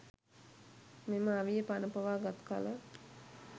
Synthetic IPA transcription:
meməaʋijəpanəpəʋaːɡat̪ka̰lə

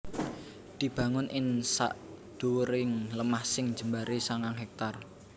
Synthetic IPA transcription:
d̪̥i̤b̥ä̤ŋʊnʔɪnsa̰ʔ | d̪̥uwɾɪŋləmahsɪŋ̥d͡ʒ̥ə̤mbaɾesaŋaŋɦɛk̚t̪ar

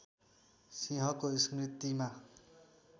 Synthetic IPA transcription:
siɦʌkoiskrit̪ima

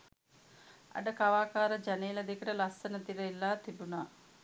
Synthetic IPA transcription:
ɐ̰ɖəkaʋaːkaːɾəd͡ʒaneːlɐd̪ekəʈəlasːənət̪iɾəilːaːt̪ibunaː

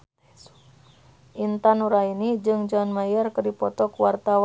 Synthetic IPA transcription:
ʔint̪anuɾainid͡ʒɨŋd͡ʒɔnmajərkədipɔt̪ɔkuwart̪aw

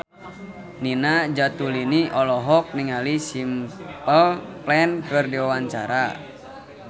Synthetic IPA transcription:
ninad͡ʒat̪uliniʔɔlɔɦɔk̚niŋalisimpəlplɛnkɨrdiwawaɲt͡ʃa̰ɾa̰

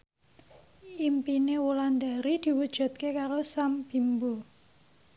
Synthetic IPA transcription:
impinewuland̪aɾid̪̥i̤wud̥ʒ̥ṳt̪̚kekaɾosamb̥i̤mbo

